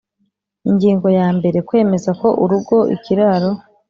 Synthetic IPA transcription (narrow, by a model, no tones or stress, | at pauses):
iŋɡiːŋɡo̞jaːmbe̞ɾe̞kwe̞ːme̞zako̞ʔuɾuɡo̞ʔḭkiɾaɾo̞